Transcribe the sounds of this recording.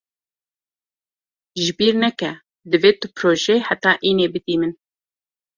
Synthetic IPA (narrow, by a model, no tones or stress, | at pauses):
ʒɨbiːɾnɛkɛ | d̪ɨveːt̪ʊpɾoːʒeħæt̪ɑːʔiːneːbɨd̪iːmɨn